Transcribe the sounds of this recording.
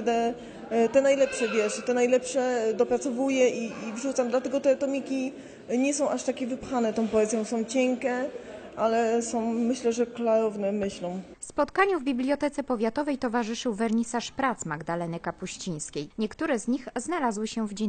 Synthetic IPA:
d̪ɛ | t̪ɛnajlɛpʂɛvʲjɛʂt̪ɛnajlɛpʂɛd̪ɔpɾat̪sɔvujɛiːvʐut̪samd̪lat̪ɛɡɔt̪ɛt̪ɔmʲikʲi | ɲɛsɔ̃w̃ʔaʂt̪akʲɛvɘpxanɛt̪ɔ̃w̃pɔɛzjɔ̃w̃sɔ̃w̃t͡ɕɛŋkɛʔalɛsɔ̃w̃mɘɕlɛʐɛklaɾɔvnɛmɘɕlɔ̃w̃fspɔt̪kaɲuvbʲiblʲjɔt̪ɛt̪sɛpɔvʲjat̪ɔvɛjt̪ɔvaʐɘʂɘwvɛɾɲisaʂpɾat̪smaɡd̪alɛnɘkapuɕt͡ɕij̃skʲejɲɛkt̪uɾɛzɲixznalazwɘɕɛvd͡ʑɛ

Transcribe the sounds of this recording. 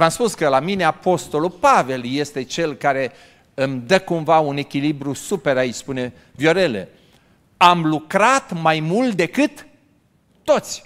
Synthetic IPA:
vamspuskəlamine̞apo̞st̪o̞lupave̞lje̞st̪e̞t͡ʃe̞lkaɾe̞ | ɨmd̪əkumvaune̞kʲilibɾusupe̞ɾait͡ʃspune̞ | vjo̞ɾe̞lḛ | amlukɾat̪majmult̪̚d̪e̞kɨt̪ː | o̞t̪sʲ

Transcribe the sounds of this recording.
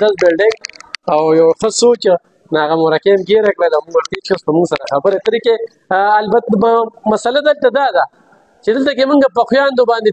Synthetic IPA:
albɪlɖɪŋɡawjawxəsot͡ʃ | naɣamoɾakemɡeɾakɽalamʊŋɡwaɾt̪eʃasp̪əmʊŋɡsaɾaxabəɾet̪əɾikeː | lbat̪mamasalad̪əlt̪ad̪ɑd̪a | t͡ʃed̪əlt̪akemʊŋɡap̬əxwjɑːnd̪obɑːnd̪e

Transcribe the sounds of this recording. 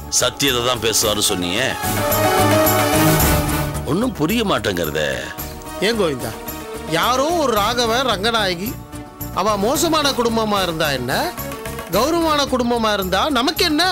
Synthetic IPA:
sɐt̪ːɪjɐðɐt̪ãːpeːsɯʋaːɾɯ̃sɔnːɪ̰jḛː | ɔnːɯmpʊɾɪjɐmaːʈːɐːŋɡɐɾɐ̰ðɛ̰ | eːŋɡoːʋɪnd̪a̰ː | jaːɾõːɔɾɯɾaːɣɐʋẽːɾɐŋɡɐnaːjɐɣi | ʔɐʋãːmoːs̬ɐmaːnɐkʊɽʊmbɐmaːɪɾɯnd̪aːɛnːɐɡɐʋɾɐʋaːnɐkʊɽʊmbɐmaːɪɾɯnd̪aːnɐmɐkːɛnːɐ

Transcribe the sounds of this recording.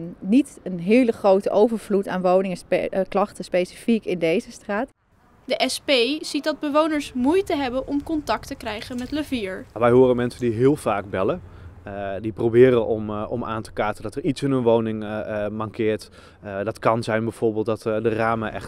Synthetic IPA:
nnitənɦɪːləχrowtəʔowvəɹvluta̰ːnʋownɪŋəklɑχtəspejsi̥fikɪndejzəstraːt | dəʔɛspejz̥it̚dɑd̚bəʋownəɹsmujtəɦɛbənʔɔmkɔntɑk̚təkrɛjχənmɛtləviːɹʋɛjɦoːɾəmɛnsəndiɦɪːlˠfaːɡ̚bɛlə | diprowbɪːɾənɔmɔ̰ma̰ːntə̥kaːɹtəndɔtəritsɪnɦənʋownɪŋmɑŋkʰɪːɹt | dɑtkɑnzɛjnbɛjv̥ʊɹbɪːlˠt̚dɔtdəraːməʔɛ̰x

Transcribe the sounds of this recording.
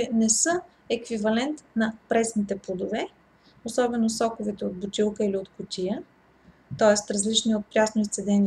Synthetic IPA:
ɛnɛsɤ | ɛkvivɐlɛnt̪nɐpɾɛsnit̪ɛplˠod̪ovɛ | osɔbɛnosɔkovɛt̪ɛod̪̚bʊt̪ilˠkəiliot̪kʊt̪ʲijə | t̪ɔɛst̪ɾɐzlit͡ʃniot̪̚pɾʲasnoist̪sɛd̪ɛni

